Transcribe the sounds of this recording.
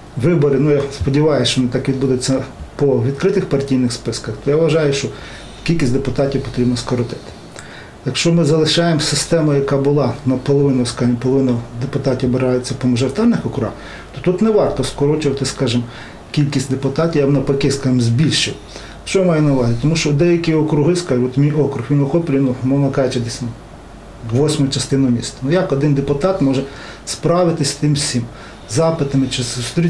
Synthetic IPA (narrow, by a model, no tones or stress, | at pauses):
ʋɪbɔɾɪnujaspɔdʲiʋɑjʊsʲt͡ʃɔnɪt̪ɑkʋʲid̪bud̪ɪt͡sʲːɐpɔʋʲid̪kɾɪt̪ɪxpɐrtʲijnɪxspɪskɐxt̪ɔjaʋʋɐʒɑjʊʃt͡ʃɔ | kʲilʲkʲisʲd̪epʊt̪ɑtʲiwpɔ̥t̪ɾʲibnɔskɔɾɔt̪ɪ̥t̪ɪ̥ | jɐkʃt͡ʃɔmɪzɐlˠɪʃɑjemsɪst̪ɛmɐjɐkɑbʊlˠɑnɐpɔlˠɔʋɪnʊskɑʒɪmpɔlˠɔʋɪnɐd̪epʊt̪ɑtʲiʋbeɾɑjʊt͡sʲːɐpɔmɔʒɔɾɪt̪ɑrnɪxɔkʊɾɑ̰ | t̪ɔ̥t̪ut̪nɛʋɑrt̪ɔskɔɾɔt͡ʃʊʋɐt̪ɪskɑʒɪm | kʲilʲkʲisʲtʲd̪epʊt̪ɑtʲiʋjabnɐpɐkɪskɑʒɪmzʲbʲilʲʃɪw | ʃt͡ʃɔjmɑjɛnɐʊʋɑzʲit̪ɔmuʃt͡ʃɔd̪ɛjɐkʲiɔkɾʊɦɪskɑʒɪmɔt̪mʲijɔkɾʊxʋʲinʋɔxɔplʲinumɔnɐkɑjet͡ʃɐd̪ʲisʲnɐ | ʋɔsʲmɔjʊt͡ʃɐst̪ɪnʊmʲḭst̪ɐnujɐkɔd̪ɪnd̪epʊt̪ɑt̪mɔʒɛ | spɾɑʋɪt̪ɪsʲt̪ɪmsʲim | zɑpɪt̪ɐmɪt͡ʃɪsʊst̪ɾʲi